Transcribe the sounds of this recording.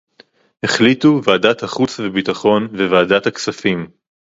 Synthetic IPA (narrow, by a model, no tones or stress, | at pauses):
heχlituvaːdat̪haχut͡svebitaχo̞nvevaːdat̪haksafim